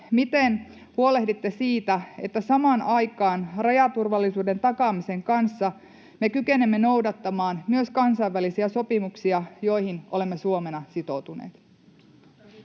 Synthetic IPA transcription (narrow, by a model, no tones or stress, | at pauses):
mit̪en | huole̞hdit̪ːe̞siːt̪æe̞̰t̪ːæsɑmɑːnɑjkɑːnrɑjɑt̪urʋɑlːisuːde̞nt̪ɑkɑːmise̞ŋkɑnsːɑ | me̞kykenemːe̞no̞wdɑt̪ːɑmɑːnmyøskɑnsɑiʋːælisiæso̞pimuksiɑjo̞jhinʔole̞mːesuome̞nɑsit̪o̞wt̪unḛːt̪